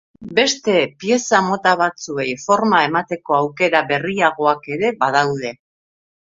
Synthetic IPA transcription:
be̞st̪e̞pie̞samot̪aβat͡sue̞jfo̞ɾmae̞mat̪e̞ko̞awke̞ɾaβe̞riaɣ̞o̞ake̞ɾe̞baðawð̞e̞

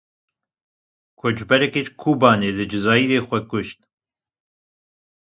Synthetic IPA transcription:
kʰod͡ʒbɛɾɛket͡ʃkʰuːbɑːneːd̪ɨd͡ʒɨzɑːiːɾeːxʷɛkʊʃt̪̚

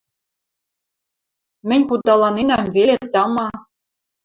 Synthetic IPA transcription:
mɘ̆nʲχut̪̚ːɑlˠɑnenæmvelʲet̪̚t̪ːɑmɑ

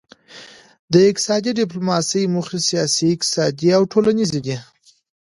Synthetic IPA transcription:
d̪əɪk̚t̪ɪ̥sɑd̪iɖɪplomɑsəjmuxisijɑsiɪk̚t̪ɪ̥sɑd̪iawʈʰolanizid̪i

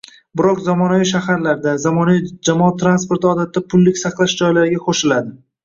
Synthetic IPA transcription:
bɪɾɒqzɒmɒnaviʃ̬ahaɾlaɾd̪azamɒnavid͡ʒamɒat̪ʰːɾanspo̞ɾt̪ɒd̪at̪ːapʰʊlːɪkʲsɑqlˠaʃd͡ʒɒjlaɾɪɡʲaqʰoʃɪlad̪ɪ

